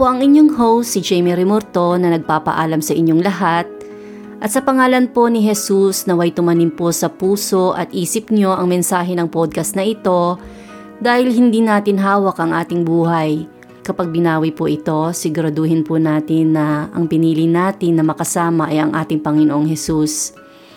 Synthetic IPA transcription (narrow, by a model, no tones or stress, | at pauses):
poʔɐŋɪɲjoŋɦowːɪd͡ʒɛjmiɾɛmoɾt̪o̞nɐnɐɡ̚paːpɐ̰ʔaːlɐmsɐʔɪɲːoŋlɐɦat̪̚ | ʔɐt̪̚sɐpɐŋaːlɐnpo̞nɪɦɛsusnɐwɐjt̪ʊmɐnɪmposɐpuːso̞ʔɐ̰t̪̚ʔiːsɪp̚ɲo̞ʔɐŋmɛnsaːɦɛnɐŋpod̪̚kɐsnɐʔɪt̪o̞ | d̪aːhɪlhɪnd̪inaːt̪ɪnɦaːwɐkʔɐŋʔaːt̪ɪŋbuːhɐj | kɐpaɡ̚bɪnaːwɪpʊʔɪt̪o̞sɪɡʊɾɐd̪ohɪnpʊnaːt̪ɪnːɐʔɐ̰ŋpɪniːlɪnaːt̪ɪnːɐmɐkɐsaːmɐʔɐjɐŋʔa̰ːt̪ɪŋpɐŋɪnoʔoŋhɛsus